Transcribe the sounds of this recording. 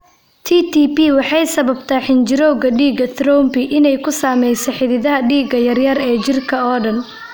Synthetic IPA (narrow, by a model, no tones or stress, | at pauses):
t̪ʰiːt̪ʰiːpiwɑħɑjsɐβɐb̚t̪ʰaːħɪnd͡ʒɪɾɔwɣɐɖiːɡɐt̪ɾɔwmbɪʔɪnɛjkʰʊsaːmɛjsɐħɪðɪðɐɦɐɖiːɡɐjɐrjɐɾɛːt͡ʃɪrkʰɐɔːɖɐn